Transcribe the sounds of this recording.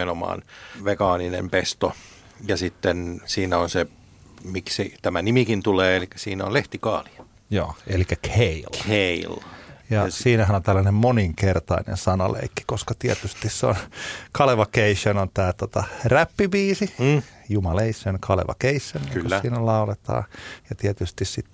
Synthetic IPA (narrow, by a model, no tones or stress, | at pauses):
enomɑ̰ːnʋekɑːninḛmpest̪o | jɑsit̪ːensiːnæonse | miksit̪æmænimikint̪uleːelikːæ̥siːnæo̰leht̪ikɑ̰ːli̥ɑ̥ | jo̰ːelikːækʰeilheiljɑsiːnæhænont̪ælːænemmoniŋkert̪ɑinḛnsɑnɑlḛikːi̥koskɑt̪iɛt̪yst̪isseo̰nkʰɑleʋɑkeisːønont̪æːt̪ot̪ɑræpːiʋiːsijumɑleisenkʰɑlḛʋɑ̰keisːønkyklːæsiːnælɑulet̪ɑ̰ːjɑt̪iɛt̪yst̪issit̪ː